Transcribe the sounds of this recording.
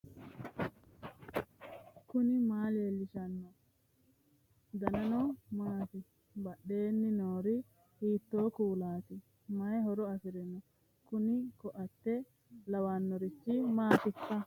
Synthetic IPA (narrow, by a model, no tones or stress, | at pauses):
kʊnɪmaːleːlːɪʃɐnːɔ | d̪ɐnɐnɔmaːt̪ɪ | bɐɗe̞ːnːɪnoːɾɪ | hiːt̪ːoːkuːlaːt̪ɪ | mɐjɦɔɾɔɐfɪɾɛnɔ | kʊnɪkɔʔɐt̪ːɛ | lɐwaːnːɔɾɪt͡ʃːɪmaːt̪ɪtːɐ